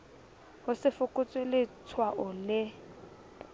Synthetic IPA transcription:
hʊsɪfʊkʼʊt͡sʼwɪlɪt͡sʰwaʔʊlɪ

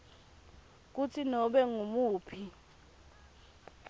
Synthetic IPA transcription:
k̬ut͡sʰinɔɓɛŋumuːpʰi

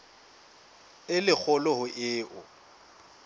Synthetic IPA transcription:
ɪlɪk͡xʰɔlɔhʊʔɪːʔʊ

